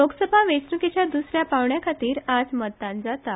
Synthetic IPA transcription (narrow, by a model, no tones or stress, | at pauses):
loɡsəbʱaʋet͡snəket͡ɕjad̪usɾjapaʋɳjakʰat̪iːɾad͡zməd̪ãnd͡zat̪a